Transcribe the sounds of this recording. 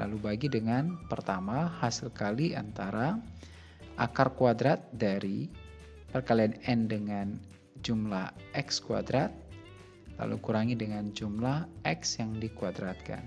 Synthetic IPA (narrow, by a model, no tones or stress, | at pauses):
lʔa̰lubaɡidəŋanpərt̪amahasilkalia̰nt̪aɾa | ʔa̰karkuadɾat̪̚daɾi | pərkalianɛndəŋan | d͡ʒumlahʔɛkskua̰dɾat̪̚ | la̰lṵkuɾaŋidəŋand͡ʒumlahʔɛksjaŋdikuadɾat̪̚ka̰n